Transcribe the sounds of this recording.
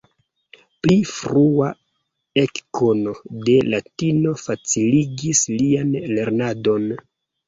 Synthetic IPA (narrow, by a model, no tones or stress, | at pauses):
plifɾua | ekkono̞de̞latino̞fat͡siliɡislianle̞ɾnado̞n